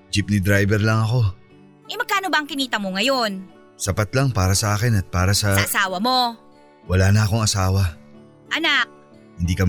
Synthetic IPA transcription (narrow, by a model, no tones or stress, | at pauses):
d͡ʒip̚nɪd̪ɾajbɛɾlɐŋɐko̞ | ʔɐjmɐɡkːaːno̞bɐʔɐŋkɪniːt̪ɐmoŋɐjo̞n | sɐpat̪lɐŋpaːɾɐsɐʔaːkɪnɐt̪̚paːɾɐsɐasaːwɐmo̞ | wɐlaːnɐʔɐko̞ŋɐsaːwɐ | ʔɐnak̚ | hɪnd̪iːkɐm